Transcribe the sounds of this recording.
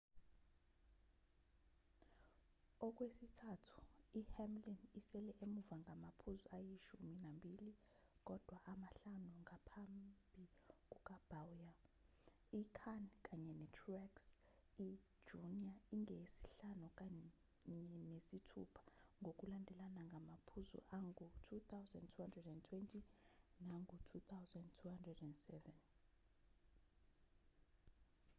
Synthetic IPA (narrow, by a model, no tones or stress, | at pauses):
ɔk̬ʼwesitʰatʰu̥ihɛmlinisɛlɛʔemuvaŋʱamapʰuzuajiʃuminambʱili | k̬ʼɔd̥ʱwaʔamaɬanuŋʱapʰambʱik̬ʼuk̬ʼab̥awja | ikʰank̬ʼaɲɛnɛtʰrɛksi̥ | d͡ʒuniaiŋʱesi̥ɬanuk̬ʼaɲɛnesitʰṵpʰḁŋɡʱok̬ʼulandʱɛlanaŋɡʱamapʰuzṵʔaŋɡʱutʰut̪ʰawzandtʰuhandrɛdɛntʰwɛntʰʼinaŋɡʱutʰut̪ʰawzandtʰuhandrɛdɛndsɛvɛn